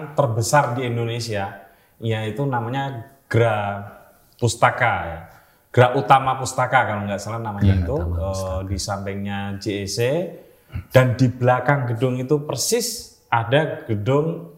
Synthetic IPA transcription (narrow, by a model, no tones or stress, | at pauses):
t̪ərbəsardiindonesia | ijait̪unamaɲaɡ̥əɾa | pust̪akaja | ɡ̥əɾaʔut̪amapust̪akakaloŋɡaʔsəlanamaɲɲait̪uədisampɪŋɲad͡ʒeese | d̥andibəlakaŋɡədʊŋit̪upərsɪs | ʔadaɡ̥ədʊŋ